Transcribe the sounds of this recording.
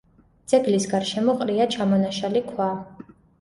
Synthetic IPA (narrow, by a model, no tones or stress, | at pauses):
d̪z̥ʼɛɡlisɡaɾʃɛmɔqʼɾiat͡ʃʰamɔnaʃalikʰwa